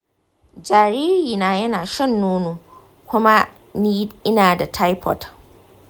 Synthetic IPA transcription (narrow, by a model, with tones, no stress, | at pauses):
d͡ʒaː˨ɾiː˦ɾiː˨naː˦jɐ˦naː˨ʃɛ˦˨nːuː˦nu˦ | kʷʊ˦ma˦ | ni˦ɪ˦naː˨da˨tʰa˦jpʰɔ̰˨t